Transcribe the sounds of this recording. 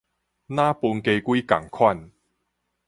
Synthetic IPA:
naː˥puː˧nke˧jku˥jkɐ̰˨˩ŋkʰwɐ˥˩n

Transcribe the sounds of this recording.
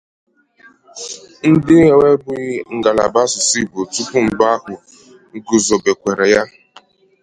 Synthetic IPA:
n̩˦dɪ˦e˨we˦bʊ˦ŋ̩˨ɡa˨la̰˨ba˦sʊ˨si˦˨bo˨tu˦pu˦m̩˨ba˦hʊ˨ | ɡu˨zɔ˨be˨kʷe˨ɾe˨ja˦

